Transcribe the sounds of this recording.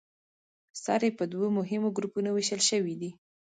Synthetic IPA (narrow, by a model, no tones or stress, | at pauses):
sɑ̰ɾepəd̪womʊɦɪmoɡɾupunoweʃəlʃəwid̪i